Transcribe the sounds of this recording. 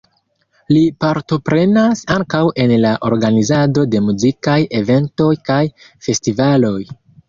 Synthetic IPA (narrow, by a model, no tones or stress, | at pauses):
lipaɾto̞pɾe̞nasaŋkawe̞nlaʔo̞̰ɾɡanizado̞de̞muzikaje̞ve̞nto̞jkaj | fe̞stivalo̞j